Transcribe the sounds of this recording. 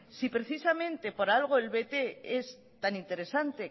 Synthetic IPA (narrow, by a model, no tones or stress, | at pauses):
sipɾe̞θisamẽ̞nt̪e̞po̞ɾalɣ̞o̞elβe̞t̪e̞es | t̪anint̪e̞ɾe̞sant̪e̞